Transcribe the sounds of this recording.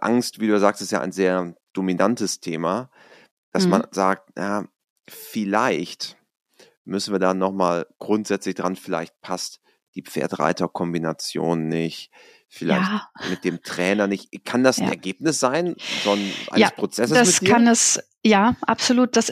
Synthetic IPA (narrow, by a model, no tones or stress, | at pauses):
ʔa̰ŋstv̥iːduːjazaːkstɪstja̰ːʔa̰ɪnzeːɐd̥ominantəstʰeːma | d̥asmanzaːk̚tnaː | fɪlaɪçt | mʏsn̩viːɐdanɔχmaːlɡ̥ʁʊntz̥ɛt͡slɪçd̥ʁanfɪla̰ɪçt̚pʰast | d̥iːp͡fḛːɐtʁa̰ɪtɐkʰɔmbinat͡sjo̰ːnːɪçt | fɪla̰ɪçtmɪt̚d̥eːmtʁ̥ɛːnɐnɪçtkʰandasn̰ɛ̰ɐɡeːpnɪsz̥aɪnfɔnʔa̰nspʁ̥ot͡sɛssaskʰanɛs | jaːʔapz̥oluːt̚d̥as